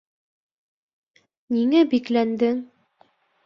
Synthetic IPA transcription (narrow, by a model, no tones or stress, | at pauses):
niŋæbiklænd̪ɘŋ